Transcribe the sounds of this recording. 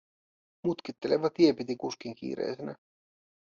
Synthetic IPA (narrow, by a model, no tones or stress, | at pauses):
mut̪kit̪ːe̞leʋɑt̪iepit̪ikuskiŋk̟ḭːɾḛːsenæ